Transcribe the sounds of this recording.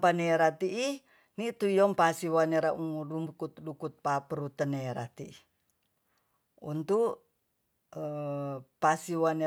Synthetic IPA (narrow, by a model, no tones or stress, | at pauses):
paneɾat̪iʔi | nit̪uijɔmpasiwaneɾaʔuŋudumbukut̪dukut̪̚papəɾut̪əneɾa̰t̪ii | ṵnt̪uʔ | pasiwane